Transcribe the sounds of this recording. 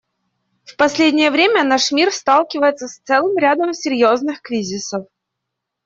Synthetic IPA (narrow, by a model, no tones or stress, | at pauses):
fpɐsʲlʲedʲnʲɪjəvɾʲemʲənaʂmʲirst̪alˠkʲɪvəjɪt̪səst̪sɛlˠɨmɾʲad̪əmsʲɪɾʲjo̞znɨxkɾʲizʲɪsəf